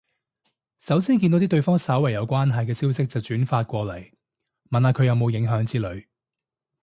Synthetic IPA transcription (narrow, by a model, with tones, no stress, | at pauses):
sɐ˨˥wsiː˥nk̬iː˧o˨˥t̪iː˥t̪ɵ˧ɥfɔː˥ŋsɐ˨˥wɐ˨˩jɐ˨˧wkʷwaː˥nɦɐ˨jkɛː˧siː˥wsɪ˥k̚t͡sɐ˨wt͡ʃyː˨˥nfaː˧t̚kʷɔː˧lɐ˨˩j | mɐ˨naː˨˧kʰɵ˨˧ɥjɐ˨˧wmo˨˧wjɪ˨˥ŋɦœː˨˥ŋt͡siː˥lɵ˨˧ɥ